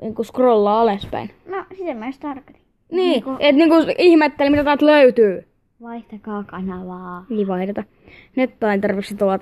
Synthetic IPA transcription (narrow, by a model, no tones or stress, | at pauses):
niːŋkuskrolːɑːɑlespæ̰in | nosit̪emmæst̪ɑrkɑt̪i̥ | niːkuet̪niːŋkuihmet̪ːelmit̪æt̪ɑt̪løyt̪yː | ʋɑiht̪ɑkɑːkɑnɑlɑːiʋɑit̪et̪ɑ | net̪ːɑint̪ɑrʋeksit̪oɑt̪